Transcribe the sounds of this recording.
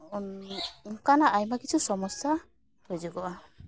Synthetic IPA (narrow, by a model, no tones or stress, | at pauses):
nŋkanaʔajmakit͡ʃʰusɔmɔsja | hɔjd͡ʒuɡɔʔa